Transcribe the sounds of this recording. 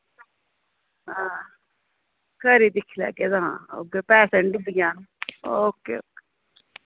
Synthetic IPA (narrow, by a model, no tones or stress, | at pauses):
ɦãː | kəɾid̪ɪkʰlɛ̰ːkeːzaɦã̰ːo̰ːkeːpɛːseɳɖɪb̪ɪɡaːnokːḛːoːke̥